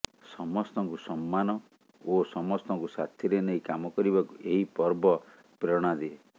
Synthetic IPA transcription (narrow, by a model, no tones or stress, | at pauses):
sɔmɔst̪ɔŋkusɔmːanɔ | osɔmɔst̪ɔŋkusa̰t̪ʰjiɾenejkamɔkɔɾibakuʔeɦipɔɾbɔ | pɾɔɽ̃ad̪ie